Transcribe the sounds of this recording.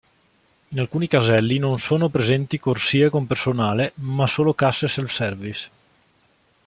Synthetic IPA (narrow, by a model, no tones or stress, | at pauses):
inalkuːnikazɛlːinonsoːnopɾezɛnt̪ikorsiːekompersonaːlemasoːlokasːeselfsɛrvis